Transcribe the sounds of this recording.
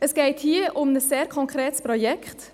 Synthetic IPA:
əsɡ̥ɛɪthiəʔʊmnəsːeːɾkʰɔŋkʰɾɛːtspɾɔjɛkʰχt

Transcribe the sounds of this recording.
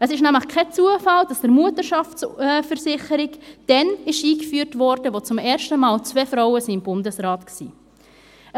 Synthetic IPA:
əsɪʃnæmləχkʰɛt͡suəfɑld̥ɑsd̥əɾmuətəɾʃɑfsfəɾsɪχəɾɪkd̥ɛnɪʃiːkfyːɾtvɔɾd̥əʋot͡sʊmɛːɾʃtəmɑːlt͡svefɾaʊəsiːɪmbʊndəsɾɑːtksḭː

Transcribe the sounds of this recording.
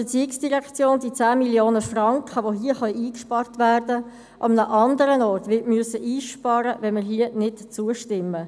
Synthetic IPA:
b̥ət͡siəksd̥iʁɛkt͡sjoːnd̥it͡sæːmiljoːnəfrɑŋkχəʋoɦiəχœiːkʃpɑrtʋæːɾd̥ə | ʔɑmənəʔɑndəɾənɔːɾtʋɪtmyøəsəʔiːʃpɑːɾəʋɛnməɾɦiːənɪtt͡suəʃtɪmːə

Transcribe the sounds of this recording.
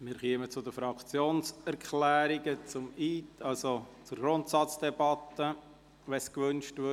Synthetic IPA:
mɪɾχiəmət͡sʊd̪əfɾɑkʰt͡sjoːnsɛɾkʰlæːɾiɡət͡sʊmitɑlsot͡sʊɾɡ̥ɾʊnt̪sɑt͡sd̥ɛbɑt̪ːə | ʋɛskʋʏnʃtʋɪ

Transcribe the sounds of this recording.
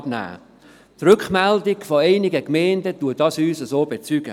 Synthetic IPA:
b̥næ̰ː | t̪rʏkχmɛldɪɡfoeɪnɪɡəkmɛɪndətuədɑsyːsəsoːbet͡syɡ̥ə̰

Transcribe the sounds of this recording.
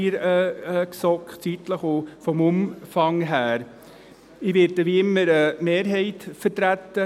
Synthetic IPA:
ɾəksɔkχt͡sitləχofɔmʊmfɑŋɦæːɾ | ɪʋeːɾdəʋiːɪmːəɾəmeːɾɦɛɪtfəɾtɾæt̪ːə

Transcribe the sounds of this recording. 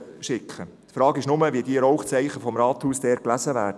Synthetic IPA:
ʃɪkʰχət̪fɾɑːɡɪʃnʊməviədiəɾɔʊχt͡sɛɪχəfɔmɾɑːt̪huːsd̥ɛːɾ̚klæzəvæːɾd

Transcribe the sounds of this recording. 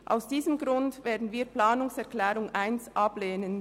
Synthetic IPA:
ʔa̰ʊsd̥iːzəmɡʁʊndveːɐdn̩viːɐplaːnʊŋsɛɐklɛːʁʊŋʔaɪnsʔɑbleːnən

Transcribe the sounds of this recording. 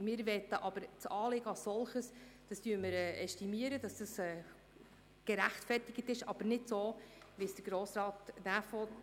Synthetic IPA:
mɪːɾʋɛt̪ːəʔɑb̥əɾt͡sɑːlɪɡəɑsɔlˠχəsd̥ɑsd̥yːɾməɾɛːʔɛstimiəɾəd̥ɑsd̥ɑsɛː | ɡ̥əɾæχtfɛrtɪɡ̥ətɪʃɑ̰b̥əɾnɪdsoːʋisd̥əɾɡ̥ɾoːsɾɑːtnæfɔ

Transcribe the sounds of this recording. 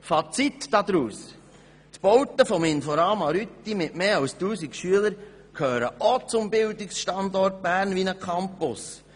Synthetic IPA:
fɑt͡sit̪d̥ɑd̪ɾuːs | t̪b̥ɔwt̪əfɔmɪnfɔɾɑːmɑɾyt̪ːimɪtmeːɑwstuːsikʃyələɾ | kʰhøːɾəot͡sʊmbɪld̪ɪksʃtɑnd̪ɔrt̚bæːɾnʋinəkʰɑmpʊs

